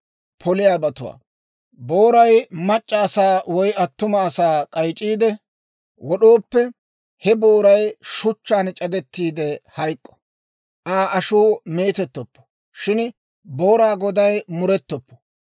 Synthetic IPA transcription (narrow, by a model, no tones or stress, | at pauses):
pʰɔlɪjaːbɐt̪ʊwa̰ː | boːɾɐjmɐt͡ʃʼːɐːsaːwɔjɐt̪ːʊmɐːsaːkʼɐjt͡ʃʼiːd̪ɛ | wɔɗoːpːɛ | hɛbo̞ːɾɐjʃʊt͡ʃːaːnt͡ʃʼɐd̪ɛt̪ːiːd̪ɛhɐjkʼːɔ̥ | ʔaːʔɐʃuːme̞ːt̪ɛt̪ːɔpːɔ̥ | ʃɪn | boːɾaːɡɔd̪ɐjmʊɾɛt̪ːɔpːɔ̥